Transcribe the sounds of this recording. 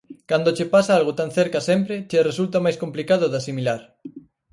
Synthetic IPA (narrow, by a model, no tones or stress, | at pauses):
kand̪ot͡ʃepasaalɣot̪anθeɾkasempɾet͡ʃeresult̪amajskomplikað̞oðasimilaɾ